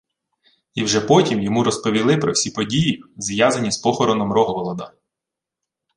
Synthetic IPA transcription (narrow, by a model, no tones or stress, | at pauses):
iwʒɛpɔtʲimjɔmuɾɔspɔʋʲilˠɪpɾɔwsʲipɔdʲijizjazɐnʲispɔxɔɾɔnɔmrɔɦɔʋɔlˠɔd̪ɐ